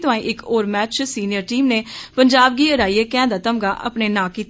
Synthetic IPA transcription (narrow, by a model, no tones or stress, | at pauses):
t̪ʊãːĩːʔɪkʰoːɾmɛːt͡ʃt͡ʃsiːnɪjəɾʈiːmneːpəɲd͡ʒaːb̚ɡiːəɾaːiːeːkɛ̃ːd̪aːt̪əmɡaːʔə̰pneːnãːkiːt̪